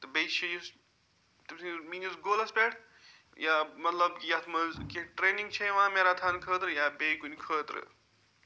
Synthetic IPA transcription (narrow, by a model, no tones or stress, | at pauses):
t̪ɐbejt͡ʃʰːejus | t̪ɐsĩmiːnusɡoːlɐspeʈ | jamɐt̪lɐbjat̪ʰmɐzkeʈɾeːnĩŋɡt͡ʃʰejʋãːmeɾat̪ʰaːnkʰəːt̪ɾɨjabejkunʲkʰəːt̪ɾɨ̰